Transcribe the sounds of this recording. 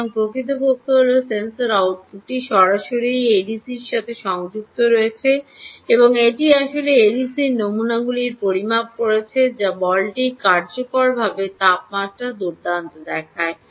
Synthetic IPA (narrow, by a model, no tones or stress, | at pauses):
ŋpɾokit̪̬opokʰːoɦolosensoɾawʈ̚uʈiʃɔɾaʃoɾijeɖisiɾʃat̪ʰeʃɔŋd͡ʑuk̚t̪oɾoet͡ɕʰeeboŋeʈiaʃoleeɖisinomunaɡuliɾpoɾimab̚koɾet͡ɕʰed͡ʑabɔlʈikaɾd͡ʑokoɭbʱabet̪ap̚maɾad̪uɾd̪ant̪od̪ɛkʰae